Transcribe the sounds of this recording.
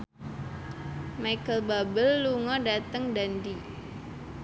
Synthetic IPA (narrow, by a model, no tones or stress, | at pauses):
majkəlbabəlːuŋɔdat̪əŋdandi